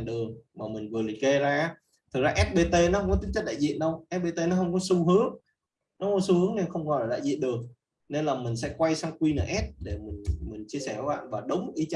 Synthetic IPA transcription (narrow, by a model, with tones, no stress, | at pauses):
ɗɨ˨˩əŋmaː˨˩mi˨˩ŋ̟vɨ˨˩əli˨˩ke˧zaː˧˨˦ | t̪ʰɨ˨˩k̚zaː˧ʔɛ˦˥p̚ɓe˧t̪e˧nɔ˨˦hə˧wŋ͡mkɔ˨˦t̪ï˨˦ŋt͡ɕə˦˥k̚ɗa̰ː˧˨zḭ˧˨ənɗə˧wʔɛ˦˥p̚ɓe˧t̪e˧nɔ˨˦ɦə˧wŋ͡mkɔ˨˦su˧hɨ˨˦əŋ | nɔ˨˦˧ŋ͡mkɔ˨˦su˧hɨ˨˦əŋne˧nxə˧wŋ͡mkɔ˧˩laː˨˩ɗa̰ː˧˨zḭ˧˨ənɗɨ˨˩ək̚ | ne˧nlaː˨˩mï˨˩ŋ̟sɛ̰˧˥kwa˧jsa˧wkwi˧nə̰ː˧˩ʔɛ˦˥p̚ɗe˧˩mï˨˩ŋ̟mï˨˩ŋ̟t͡ɕi˧əsɛ˧˩ka˨˦ɓa̰ː˧˨nvaː˨˩ɗə˨˦wŋ͡mkxi˧t͡ɕ